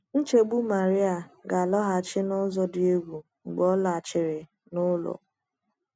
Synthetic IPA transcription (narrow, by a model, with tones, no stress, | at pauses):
n̩˦t͡ʃe˨ɡ͡bu˦ma˨ɾɪ˦a˨ɡa˨lɔ˦ɦa˨t͡ʃɪ˦nʊ˦zɔ˦dɪ˦e˦ɡʷu˨ | ŋ͡m̩˨ɡ͡bɔ˦la˨t͡ʃɪ˨ɾɪ˨ | nʊ˦lɔ̰˨